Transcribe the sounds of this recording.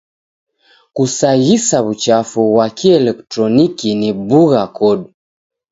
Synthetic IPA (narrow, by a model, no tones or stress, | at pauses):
kusaɣisaβut͡ʃafuβwakiɛlɛktɾɔnikinibuɣakɔɗu